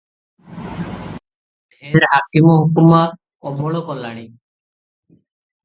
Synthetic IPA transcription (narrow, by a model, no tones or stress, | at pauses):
eɖɦakimɔɦukuma | ɔmɔɽ̃ɔkɔlaɽ̃i